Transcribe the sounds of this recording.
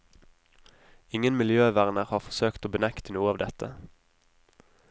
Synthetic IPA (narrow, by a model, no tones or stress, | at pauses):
ɪŋənmɪljøːʋæʁnəʁhɑːʁfɔʁsøːkt̪oːbənækt̪ənuːəɑːʋd̪ɛt̪ə